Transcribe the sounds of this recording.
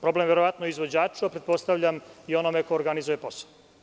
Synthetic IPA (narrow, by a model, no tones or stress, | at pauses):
pɾo̞blemʋeɾoʋat̪noizʋo̞d͡ʑaːt͡ʂuapɾet̪̚po̞st̪aʋʎamio̞nomekoːɾɡanizuje̞po̞so̥